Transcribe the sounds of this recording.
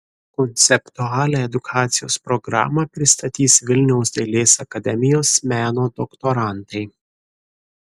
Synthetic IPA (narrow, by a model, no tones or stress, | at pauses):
kɔnʲt̪sʲɛpt̪uɑːlʲæɛd̪ʊkʰɑːt̪sʲɪjo̰ːspɾɔɡɾɑ̰ːmɐpʲɾʲɪst̪ɐt̪ʲiːsʋʲɪlʲnʲɛʊsd̪ʲelʲeːsɐkɐd̪ʲɛmʲɪjoːsmʲæːnoːd̪ɔkt̪oɾɑˑnt̪ɐɪ